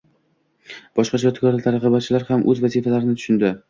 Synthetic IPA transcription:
b̥ɒʃqɑt͡ʃʰɒt̪ʰkɒɾat̪ʰaɾɑqɨbat͡ʃʰɪlaɾhamʔɵzvazifalaɾɪnɪt̪ʰʊ̥ʃʊnd̪ɪ

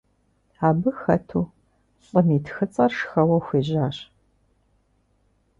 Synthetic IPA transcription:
aːbɨxɐtʰuː | ɕʼɐmiːtʰxɨt͡sʼɐrʂxɐwɐxʷeːʑaːɕ

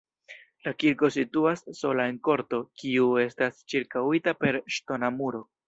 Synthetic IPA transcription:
lakiɾko̞situasːo̞lae̞nko̞ɾto̞kiue̞stast͡ʃiɾkawitape̞ɾʃto̞namuɾo̞

